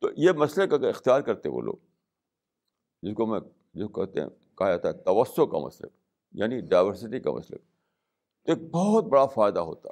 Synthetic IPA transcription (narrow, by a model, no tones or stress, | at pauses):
t̪ojemɐslekaɪxt̪ijaːɾkɐɾt̪eʋo̰ːlʔo̰ːɡ | d͡ʒɪskomɛ̃ | d͡ʒɪskot̪ḛɛ̰̃ | kɐɦjaːt̪aɛt̪ɐʋəsːoka̰mɐ̰slə̰k̚ | ja̰ːniɖaːɪʋəɾsɪʈika̰mɐ̰slə̰k | t̪oeːk̚bɔːt̪̚bɐɽafaːɪd̪aɦo̰ːt̪a̰